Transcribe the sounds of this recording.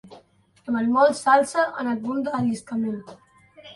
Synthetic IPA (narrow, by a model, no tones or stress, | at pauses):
d̪əmanmɔlˠt̪salˠsəʔənəlβund̪əːʎiskəmen